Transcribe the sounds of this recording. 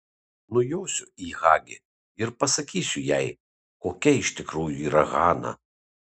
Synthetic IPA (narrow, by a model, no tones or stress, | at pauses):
nʊjoːsʲʊiɣɑːɡʲɪ̰ | ɪɾpɐsɐkʲiːsʲʊjɛɪ | koːkʲɛɪʃt̪ʲɪkɾuːjuiːɾɐɣɑːnɐ̰